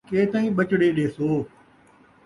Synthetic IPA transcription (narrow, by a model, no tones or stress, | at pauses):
keːt̪aːĩːɓət͡ʃɽeːɗeːsoː